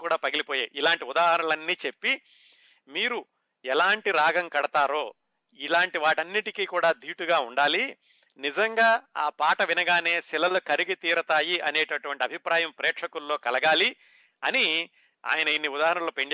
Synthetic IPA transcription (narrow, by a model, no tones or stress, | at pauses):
kuːɽaːpɐɡilipoːjeːʔilaːɳʈiud̪aːɦɐɾɐlɐnːiːt͡ʃe̞pːi | miːɾu | ɛlaːɳʈiɾaːɡɐŋkɐɽɐt̪aːɾo̞ː | ilaːɳʈiʋaːʈɐnːiʈikiːkuːɽaːd̪ʱiːʈuɡaːuɳɖaːli | nid͡ʒɐŋɡaːaːpaːʈɐʋinɐɡaːne̞ːsilɐlukɐɾiɡit̪iːɾɐt̪aːjiʔɐneːʈɐʈuʋɐɳʈiɐbʱipɾaːjɐmpɾɛːʈʂɐkulːo̞ːkɐlɐɡaːli | ɐ̰ni | a̰ːjɐnɐinːiud̪aːɦɐɾɐnɐlːoːpe̞ɳ